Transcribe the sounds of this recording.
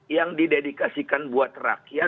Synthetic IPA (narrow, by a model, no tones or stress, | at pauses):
jaŋdidedikasikanbuat̪ra̰kja